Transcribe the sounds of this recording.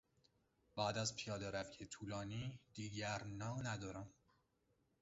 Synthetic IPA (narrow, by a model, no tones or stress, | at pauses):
b̥æːd̪æzpʰijɒːd̪eɾæfcʰet̪ʰuːlɒːniːd̪̥iːɟæɾnɒːnæd̪ɒːɾæm